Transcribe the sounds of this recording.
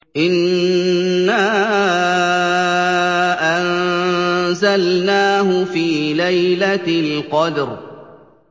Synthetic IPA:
ʔɪnː | aː | ʔan | zalnaːhʊfiːlajlalqɑd̪ɾ

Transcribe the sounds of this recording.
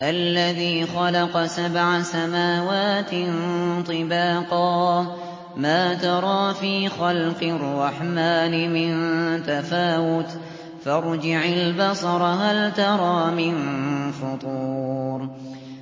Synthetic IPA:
ʔalːaðiːxɑlɑqɑsabʕasamaːwaːt̪nt̪ˤɨbɑːqɑː | maːt̪ɑɾˤɑːfiːxɑlqɨrːɑħmaːnɪmɪnt̪afaːwʊt̪ | fɑɾˤd͡ʒɪʕalbɑsˤɑɾˤɑɦalt̪ɑɾˤɑːmɪnfʊt̪ˤuːɾ

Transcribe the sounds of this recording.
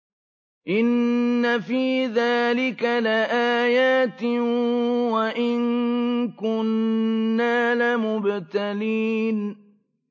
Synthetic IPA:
ʔɪnːafiːðaːlɪkalɪʔaːjaːt̪ɪ | waʔɪŋkʊnː | aːlɪmʊbt̪aliːn

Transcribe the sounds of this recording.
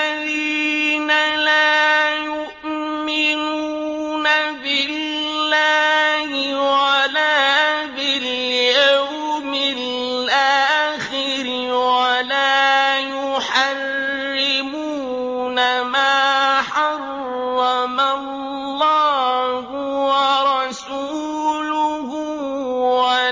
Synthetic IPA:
aðinalaːjʊʔ | mɪnuː | nabɪlː | aːɦɪwalaːbɪljawmɪ | ʔaxɪ | ɾɪwalaːjʊħɑrː | ɪmuː | namaːħɑrː | ɑmaː | aːhʊwɑɾˤɑsuː | lʊɦʊ | wa

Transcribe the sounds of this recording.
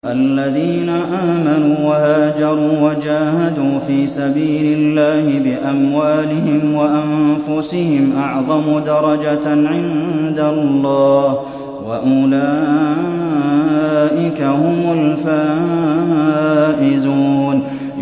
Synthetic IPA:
ʔalːaðiːnaʔaːmanuːwahaːd͡ʒɑɾˤuːwad͡ʒaːhad̪uːfiːsabiːlɪlːaːhɪbɪʔamwaːlɪhɪmwaʔanfʊsɪhɪmʔɑʕðˤɑmʊd̪ɑɾˤɑd͡ʒaʕɪnd̪alːɑːh | waʔʊlaː | ʔɪkahʊmʊlfaː | ʔɪzuːn

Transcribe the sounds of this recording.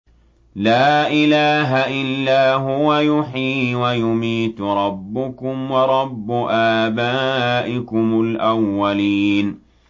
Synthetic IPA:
laːʔɪlaːɦaʔɪlːaːɦʊwajʊħiːwajʊmiːt̪ɾˤɑbːʊkʊmwɑɾˤɑbːʊʔaːbaːʔɪkʊmʊlʔawːaliːn

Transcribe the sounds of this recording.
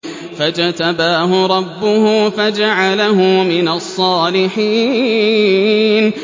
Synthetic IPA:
fad͡ʒat̪abaːɦʊɾˤɑbːʊɦʊfad͡ʒaʕalaɦʊmɪnasˤːɑːlɪħiː | n

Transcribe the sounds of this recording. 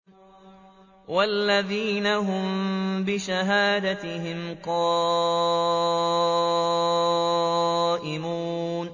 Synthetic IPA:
wʔalːaðiːnaɦʊmbɪʃaɦaːd̪at̪ɪɦɪmqɑː | ʔɪmuːn

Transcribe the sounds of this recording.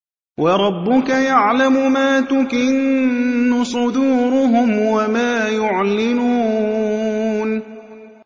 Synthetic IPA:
wʔɑɾˤɑbːʊkajaʕlamʊmaːt̪ʊkɪnː | ʊsˤʊd̪uːɾʊɦʊmwamaːjʊʕlɪnuː | n

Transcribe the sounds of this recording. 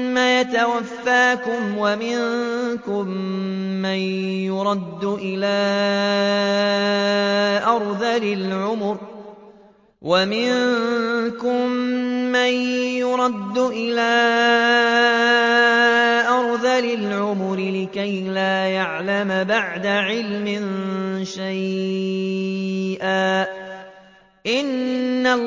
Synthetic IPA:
majat̪awafːaːkʊmwamɪnkʊmː | anjʊɾˤɑd̪ːʊʔɪlaː | ʔɑɾˤðalɪlʕʊmʊɾ | wamɪn | kʊmːanjʊɾˤɑd̪ːʊʔɪlaː | ʔɑɾˤðalɪlʕʊmʊɾɪlɪkaj | laːjaʕlambaʕd̪aʕɪlmɪnʃaj | ʔaː | ʔɪnːa

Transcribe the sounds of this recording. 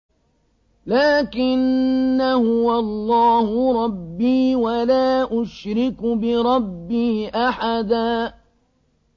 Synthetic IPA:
laːkɪnːahʊwalˤːɑːhʊɾˤɑbːiːwalaːʔʊʃɾɪkbɪɾˤɑbːiːʔaħad̪aː

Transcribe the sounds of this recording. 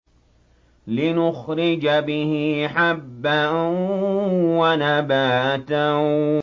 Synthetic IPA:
lɪnʊxɾɪd͡ʒabɪhɪħabːa | wanabaːt̪a

